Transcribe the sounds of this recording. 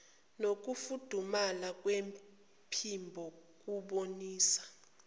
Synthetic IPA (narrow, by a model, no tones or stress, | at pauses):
nok̬ufud̥ʱumalak̬ʼwem | pʰimbʱɔk̬ʼuɓoniːsḁ